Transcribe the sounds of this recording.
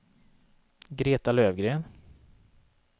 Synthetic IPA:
ɡɾeːt̪aløːvɡɾeːn

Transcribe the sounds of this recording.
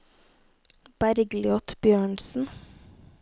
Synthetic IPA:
b̥æɾɡlɪɔt̪bjøːɳsn̩

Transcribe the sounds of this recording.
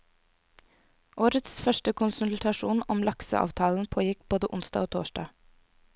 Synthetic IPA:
ʔoːɾət̪sfœʃʈəkʰʊnsʉllt̪ʰɑʃuːnɔmlɑksə̰ʔɑ̰ːʋt̪ʰɑːln̩pʰoːjɪkb̥oːd̪əʔʊnsd̪ɑ̰oːt̪ʰo̰ːʃdɑ̰ː

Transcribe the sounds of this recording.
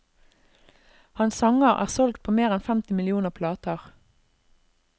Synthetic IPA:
hɑnsɑŋəʁæ̰ːʁsɔlɡt̪̚pʰoːmeːʁɛnfɛmt̪ɪmɪlɪuːnəʁpʰlɑːt̪əʁ

